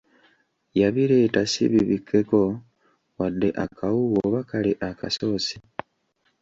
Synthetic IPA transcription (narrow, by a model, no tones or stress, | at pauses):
jaβiɾe̞ːtasḭβiβikʰːe̞ko̞ | wadːe̞ʔakʰauɣoβakaliʔaka̰so̞ːsi̥